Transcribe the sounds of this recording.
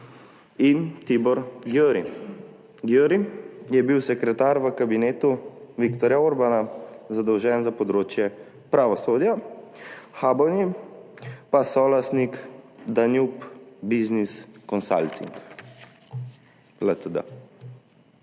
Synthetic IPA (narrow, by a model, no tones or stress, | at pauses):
int̪ibɔɾɡøɾḭ | ɡjøɾijɛbiwsɛkɾɛt̪aːɾʋəkabineːt̪uʋikt̪ɔɾjaoɾbanazad̪ɔwʒɛnzapɔd̪ɾoːt͡ʃjɛ | pɾaʋɔsoːd̪ja | xaːbɔwni | pasɔlasnikd̪anjupbizniskɔnsa̰lt̪ḭŋk | lət̪əd̪ə̰